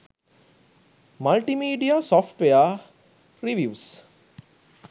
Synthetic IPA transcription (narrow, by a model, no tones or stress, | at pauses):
mɐlʈimiːɖiasɔfʈʋeja | ɾiʋjuːs